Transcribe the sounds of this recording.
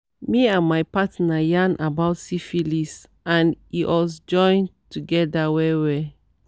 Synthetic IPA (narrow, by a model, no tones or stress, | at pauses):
miãnmajpatnajãnʔabaʊtsifilis | ãniwɔsd͡ʒɔ̃ɪ̃ntuɡɛdawɛwɛ